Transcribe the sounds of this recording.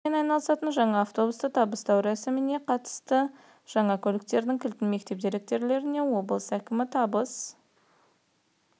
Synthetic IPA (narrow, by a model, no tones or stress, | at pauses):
enɑjnɑlˠəsɑt̪ənʒɑɴɑːft̪o̞bust̪ət̪ʰɑbəst̪ɑwɾæsɪmɪne̞qʰɑt̪ə̥st̪ə | ʒ̥ɑɴɑkʲʰɵlɪkt̪e̞ɾd̪ɪŋkʲʰɪlt̪ɪnme̞kt̪e̞p̚d̪eɾɪk̚t̪e̞ɾle̞ɾɪne̞wo̞bəlˠəsækʲɪmɪt̪ʰɑbəs